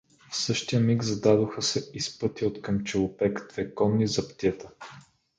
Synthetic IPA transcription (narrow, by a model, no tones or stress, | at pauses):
fsɤʃt̪ijəmiɡzɐd̪ad̪oxəsɛispɤt̪iot̪kəmt͡ʃɛlˠʊpɛkt̪vɛkɔnːizɐpt̪ʲɛt̪ə